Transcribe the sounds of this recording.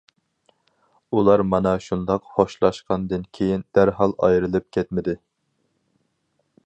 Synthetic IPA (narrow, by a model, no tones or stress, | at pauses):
ulˠɑɾmɑnɑʃund̪ɑqχoʃlˠɑʃqɑnd̪ɨnkʲʰejind̪̥æɾɦɑlˠɑ̰jɾɨlˠɨp̚kʲʰɛt̪̚mɪd̪ɪ